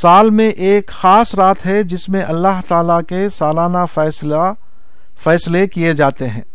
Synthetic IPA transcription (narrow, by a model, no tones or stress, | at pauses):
saːlmẽʔeːkxaːsɾaːt̪ɦɛd͡ʒɪsmẽʔɐlːaɦt̪aːlakesaːlaːnafɛːs | fɛːslekied͡ʒaːt̪eɦɛ̰̃ː